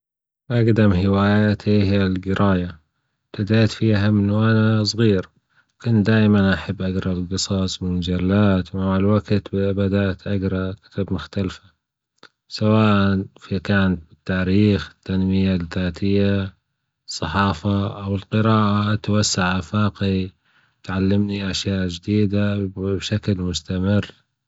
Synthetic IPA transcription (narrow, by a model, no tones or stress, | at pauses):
ʔaɡd̪amhɪwaːjat̪ihɪjalɡɪɾʔaːja | t̪ɪd̪eːt̪fiːɦamɪnwʔanasˤɣiːɾ | kʊnd̪aːjmanʔaħabːʔaɡɾˤɑlqɨsˤɑsˤbɪmad͡ʒalːaːt̪maʕalwaɡt̪bbad̪aʔt̪ʔaɡɾˤɑkɪ̥t̪abmʊxt̪alfa | sawaːʔanfikaːnat̪̚bɪt̪ːaːɾiːxɪ̥t̪ːanmɪjalðaːt̪ɪjːa | sˤːɑħɑːfaʔawɪlqɨɾɑːʔat̪wasːaʕafaːqi | t̪ʕalːɪmniʔaʃjaːʔd͡ʒd̪iːd̪abʃaklmʊst̪amɪr